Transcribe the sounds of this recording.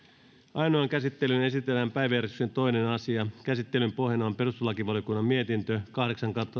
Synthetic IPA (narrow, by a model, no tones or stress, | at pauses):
ʔɑjnoɑŋkæsit̪ːelyne̞sit̪elːæmpæjʋjæresy̥kse̞nt̪o̞inenɑsiɑkæsit̪ːe̞lympo̞ɦjenɑompe̞rust̪ulɑkiʋɑljokunːɑmmie̞t̪int̪økɑhdeksɑŋkɑt̪ːɑ